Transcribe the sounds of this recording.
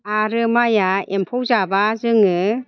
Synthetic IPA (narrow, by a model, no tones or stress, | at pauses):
aɾɯmajaempʰɔwzabazɯŋɯ